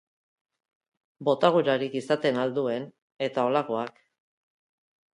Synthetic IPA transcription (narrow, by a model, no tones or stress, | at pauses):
bo̞t̪aɣ̞uɾaɾikisat̪e̞nald̪ue̞n | e̞t̪ao̞lako̞ak